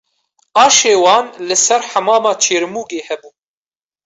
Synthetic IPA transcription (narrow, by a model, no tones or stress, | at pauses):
ɑːʃeːwɑːnlɨsɛɾħamɑːmɑːt͡ʃʰeːɾmuːɡeːhɛbuː